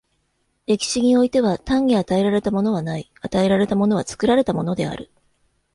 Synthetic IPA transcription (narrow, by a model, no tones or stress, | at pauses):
e̞kʲi̥ɕiɲ̟io̞it̪e̞βat̪ãɲ̟ːiat̪ae̞ɾaɾe̞t̪amo̞no̞βanai | at̪ae̞ɾaɾe̞t̪amo̞no̞β̞at͡sɨ̥kɯ̟ɾaɾe̞t̪amo̞no̞d̪e̞a̰ɾɯ̟